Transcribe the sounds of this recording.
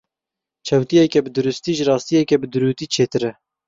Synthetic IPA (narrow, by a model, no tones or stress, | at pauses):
t͡ʃʰɛwt̪ijɛkɛbɨd̪uɾʊst̪iːʒɨrɑːst̪ijɛkʲɛbɨd̪ɨɾuːt̪iːt͡ʃʰeːt̪ɨɾɛ